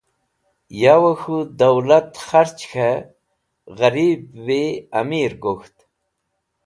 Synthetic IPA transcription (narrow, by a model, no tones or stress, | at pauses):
jawəxud̪ɐwlat̪xaɾt͡ɕxʰa | ɣɐɾibweɐ̰miɾɡoxt̪